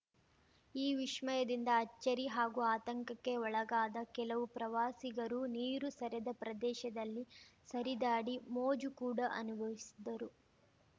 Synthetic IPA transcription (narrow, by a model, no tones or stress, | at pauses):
iːʋiʃmɐjɐd̪ind̪ɐːt͡ʃːɐɾiɦaːɡuaːt̪ɐŋkɐkːe̞ɔɭɐɡaːd̪ɐkɛlɐʋupɾɐʋaːsiɡɐɾuniːɾusɐɾɛd̪ɐpɾɐd̪ɛːʃɐd̪ɐlːisɐɾid̪aːɽimoːd͡ʒukuːɽɐʔɐ̰nubʱɐʋisi̥d̪ːɐɾu